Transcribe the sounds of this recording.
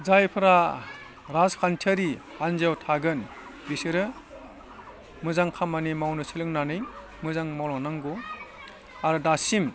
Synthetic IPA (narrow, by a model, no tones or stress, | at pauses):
zajpʰɯɾa | ɾazkʰantʰaɾihanzewtʰaɡɯn | bisɯɾɯ | mɯzaŋkʰamanimawnɯsʰilɯŋnanɯj | mɯzaŋmɔlɔnaŋɡu | aɾɯdasim